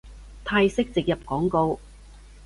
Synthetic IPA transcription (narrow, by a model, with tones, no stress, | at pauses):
t̪ʰaː˧jsɪ˥k̚t͡sɪ˨k̚jɐ˨p̚kɔː˨˥ŋko˧w